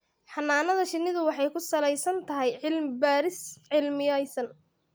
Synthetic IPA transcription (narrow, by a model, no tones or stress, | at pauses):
ħɑnːaːnɐðɐʃɪnːɪðʊwɑħɑjkʰʊsɐlɛjsɐnt̪ʰɐɦɛjʕɪlmbaːɾɪsʕɪlmɪjɐjsɐn